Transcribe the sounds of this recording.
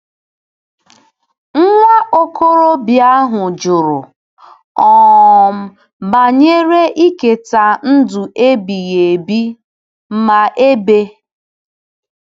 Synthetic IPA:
ŋ̩˦ŋʷa˦ʔo˦ko˦ɾo˦bja˦ɦʊ˨d͡ʒʊ˨ɾʊ˨ | ɔ˨m̩˦ | ba˨ɲe˦ɾe˦ʔi˦ke˨ta˨n̩˦du˨e˦bi˨ɣe˨bi˦ | m̩˦ma˨ʔe˦be˦

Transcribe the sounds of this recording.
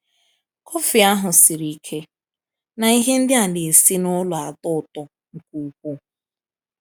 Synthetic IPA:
kʰɔ˦fɪ˨a˦ɦʊ˨sɪ˨ɾi˨kʰe˦ | na˨i˦ɦe˦n̩˦dɪ˦a˨dɪ˨e˨si˦nʊ˦lʊ˨a˨tʊ˦˨tɔ˨ | ŋ̩˨ku˨u˨kʷu˦

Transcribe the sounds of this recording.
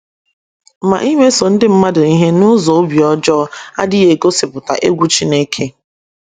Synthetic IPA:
ma̰˨ʔi˦me˦so˨n̩˦dɪ˦m̩˦ma˦dʊ˨i˦ɦe˦nʊ˦zɔ˨o˦bi˨ɔ˦d͡ʒɔ˦a̰˦dɪ˦e˨ko˦sɪ˨pʊ˨ta̰˨ʔe˦ɡʷu˦t͡ʃi˦ne˦kʰe˦

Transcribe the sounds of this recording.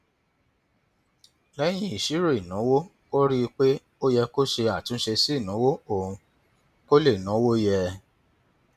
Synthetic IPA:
lɛ˨˦j̃ĩ˦i˨ʃi˨˦ɾo˦˨i˨nã˨˦wo˦ | ko˦ɾi˦˧k͡pe˦ | o˦jɛ˧ko˦ʃe˧a˦˨tĩ˨˦ʃe˧si˦˨nɔ̃˨˦wo˦o˦˨ũ˧ | ko˦le˦˨nã˨˦wo˦jɛ˧

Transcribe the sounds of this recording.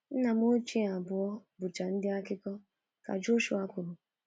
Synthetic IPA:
n̩˦na˨m˦o˦t͡ʃi˦a˨bʊ˨ɔ˦bʊ˨t͡ʃa˨n̩˦dɪ˦a˦kɪ˦kɔ˦ | ka̰˨d͡ʒo˦ʃu˨a˦kʊ˨ɾʊ˨

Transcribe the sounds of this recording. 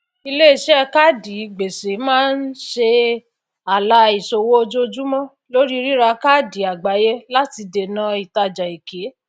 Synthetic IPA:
i˧le˦i˨ʃɛ˦˧ka˦di˨˦˨ɡ͡be˨se˨˦mãː˦n̩˦ʃe˧ | a˨la˧i˨so˧wo˦o˧d͡ʒo˦˧d͡ʒu˦mɔ̃˦ | lo˦ɾi˦˧ɾi˦ɾa˧ka˦˨di˨˦a˨ɡ͡ba˨˦je˦la˦ti˧de˨nã˨˦i˨ta˧d͡ʒa˨i˨ke˨˦

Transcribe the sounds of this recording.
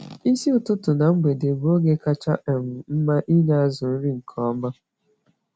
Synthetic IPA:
i˦si˦ʊ˨tʊ˦tʊ˨na˨ŋ͡m̩˦ɡ͡be˨de˨bo˦ɡe˦ka˦t͡ʃa̰˦ʔe˨m̩˨m̩˦ma˦ʔi˦ɲa˦a˦zʊ˨n̩˦ɾi˦ŋ̩˨kʰɔ˦ma˦

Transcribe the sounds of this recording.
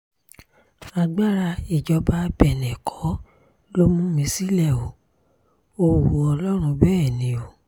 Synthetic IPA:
a˧ɡ͡ba˦ɾa˧i˨d͡ʒɔ˧ba˧˦bɛ˨nɛ̃˨kʰɔ˨˦ | lo˦mũ˦mĩ˧˦si˦lɛ˦˨o˨ | o˧˨wu˨˦ɔ˧lɔ˦ɾ̃ũ˧˦bɛː˦ɛ˦˨nĩ˨˦o˨

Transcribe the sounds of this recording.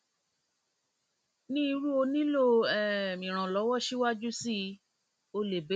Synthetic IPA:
nĩ˦i˧ɾu˦o˧nĩ˦lo˦˨ɛ˨mĩ˨ɾ̃ã˨lɔ˨˦wɔ˦˨ʃi˦wa˦d͡ʒu˦si˦˧˦ | o˧le˨be˨˦

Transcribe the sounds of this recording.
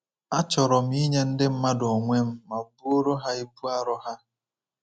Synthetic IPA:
a˦t͡ʃɔ˨ɾɔ˨m̩˦i˦ɲe˦n̩˦dɪ˦m̩˦ma˦do˨ŋʷe˦m̩˦ma˨bu˦o˦ɾo˦ɦa˦i˦bu˦a˦ɾɔ˦ɦa˦

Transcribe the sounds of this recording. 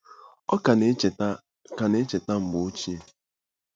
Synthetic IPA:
ɔ˦k | ka˨ne˦t͡ʃe˨ta˦m̩˨bo˨o˦t͡ʃi˦e˨

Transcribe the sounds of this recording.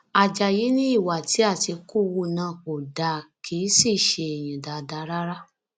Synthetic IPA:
a˨d͡ʒa˨ji˨˦nĩ˦i˦˨wa˨ti˨˦a˦˨ti˧ku˦˨wu˦˨nãː˦˨ko˨da˨kʰiː˨˦si˦˨ʃe˧e˨j̃ĩ˨da˨da˧˦ɾa˦ɾa˦

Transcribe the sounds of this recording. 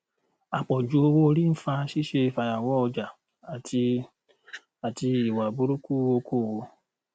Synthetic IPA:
a˨k͡pɔ˨d͡ʒu˨˦o˧wo˦˧ɾi˦n̩˦fa˧ʃi˦ʃe˧i˧fa˨˧ja˨wɔ˨˦ɔ˧d͡ʒa˨ | a˨tʰi˧ | a˨ti˧i˨wa˨bo˦ɾu˦ku˦wo˧kʰo˦˨wo˧

